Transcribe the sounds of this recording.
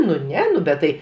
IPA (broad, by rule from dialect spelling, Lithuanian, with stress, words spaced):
nʊ ˈnʲɛ ˈnʊ bʲɛt ˈtɐɪ